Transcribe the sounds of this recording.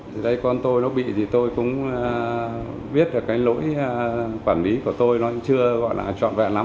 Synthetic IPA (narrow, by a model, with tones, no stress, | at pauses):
t̪ʰi˨˩ɗə˧jkɔ˧nt̪o˧jnɔ˨˦ɓḭ˧˨t̪ʰi˨˩t̪o˧jkʊ̰˧˥ŋ͡m | ɓi˦˥ət̚ɗɨ˨˩kaː˨˦jlo̰˧˥j | kwaː˧˩nli˨˦ku˧˩ət̪o˧jnɔ˨˦˧t͡ɕɨ˧əɣɔ̰˧˨jlʔaː˨˩t͡ɕɔ̰˧˨nva̰ː˧˨nla˨˦